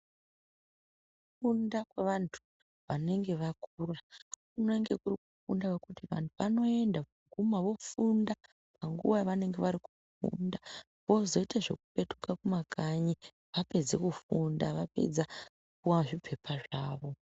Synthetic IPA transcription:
uu | fundakwe̞ʋantʰu̥ | ʋane̞ŋɡe̞ʋakurakuneŋɡe̞kurikufundawekutiʋa̰ntʰuʋano̞e̞ndapuɡʱumaʋo̞funda | paŋɡṵʋajʋane̞ŋɡe̞ʋaɾiku | fṵnda | ʋo̞zo̞itaʐe̞̰ku̥pe̞tukakumakʰaɲi | ʋape̞d͡zekufundaʋape̞̰d͡za | kuwaʐipʰe̞pʰaʐaːʋo̞

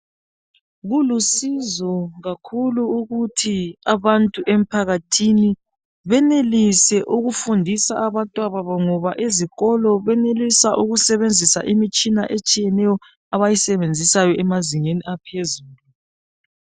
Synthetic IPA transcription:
ɣulusizɔɣakʰuluuɣutʰiaβantʼuʔem̩pʰaɣatʰini | βɛnelisɛʔuɣufundʱisaʔaβantʼwaβaβɔŋɔβaʔeziɣɔlɔβɛnelisaʔuɣusɛβend͡zʱisa̰ʔimit͡ʃʼinaʔet͡ʃʼijɛnɛjɔ | aβajisɛβend͡zʱisajɔʔɛmaziŋeniapʰezuːlu

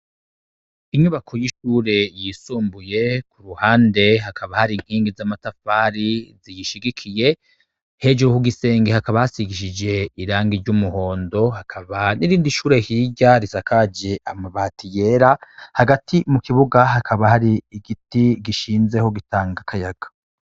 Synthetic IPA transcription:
iɲuβakʰo̞jiʃuːɾe̞jisuːmbuje̞kuɾuhaːnde̞ɦakʰaβahaɾiŋ̥hiːŋɡizamatafaːɾizijiʃiɡikʰije̞ | he̞d͡ʒuɾuhuɡise̞ːŋɡehakaβajasiɡiʃid͡ʒe̞iɾaːŋɡiɾɟumuho̞ːndo̞hakʰaβaniɾiːndiʃuːɾe̞hiːɟaɾisakʰaːd͡ʒe̞ʔamaβatʰije̞ɾahaɡatʰimukiβuɡaɦakʰaβahaɾiiɡitiɡiʃiːnze̞ho̞ɡitaːŋɡakʰajaɡ̥ḁ

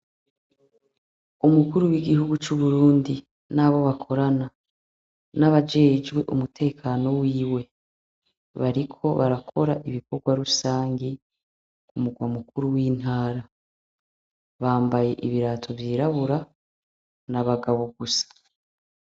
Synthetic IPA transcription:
umukuɾuwiɡihuɡut͡ʃuβuɾuːndi | naːβo̞βakʰo̞ɾana | naβad͡ʒe̞ːd͡ʒɡwe̞ʔumutʰe̞ːkʰano̞wiːwe̞ | βaɾikʰo̞βaɾakʰo̞ɾaʔiβiko̞ɾɡwaɾusaːŋɡi | kumuɡwamukuɾuwiːn̥haːɾa | βaːmbaje̞̰ʔiβiɾaːtʰo̞vjiːɾaβuɾa | naβaɡaβo̞ɡusḁ

